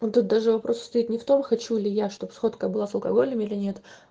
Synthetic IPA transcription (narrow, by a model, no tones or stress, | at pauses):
ot̪ut̪̚d̪aʐɨvɐpɾʔo̞sst̪ɐit̪nʲɪft̪o̞mxɐt͡ɕulʲɪjaʂt̪opsxo̞t̪kəbɨlˠasɐlˠkɐ̰ɡo̞lʲəmʲilʲɪnʲe̞t̪